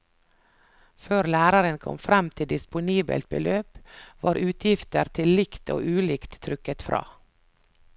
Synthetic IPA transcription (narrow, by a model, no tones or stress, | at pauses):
føːɾlæːɾɑɾənkʰɔ̰mfɾɛmt̪ʰɪd̪ɪspʊniːbə̰lt̪̚bəlʔøːpʋɑːɾʔʉːt̪ʰjɪft̪əɾt̪ʰɪllɪkt̪ʰo̰ːʔʉːlɪkt̪ʰːɾʏkət̪fɾɑ̰ː